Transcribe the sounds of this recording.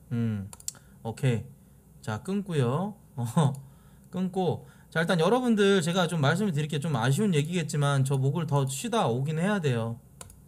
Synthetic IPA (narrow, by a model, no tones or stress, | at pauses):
ɯ | ʌkʰe̞ | t͡ɕak͈ɯnk͈ujo | ʌ | k͈ɯnk͈ot͡ɕaiɭt͈anjʌɾʌbundɯɭt͡ɕe̞ɡat͡ɕomːaɭs̬͈ɯmɯɭt̬ɯɾikʰe̞t͡ɕomaɕ̬ʰiunje̞ɡiɡe̞t̚t͡ɕ͈imant͡ɕʌmoɡɯɭtʌidaoɡinhe̞jade̞jo